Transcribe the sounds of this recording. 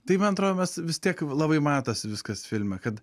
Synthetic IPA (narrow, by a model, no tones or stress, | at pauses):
t̪ɐɪmɐnɐt̪ɾoːd̪oːmʲɛsʋʲɪst̪ʲiɛklˠɑːbɐɪmɑːt̪ɐsʲʋʲɪskɐsfʲɪlʲmʲɛkɐt̪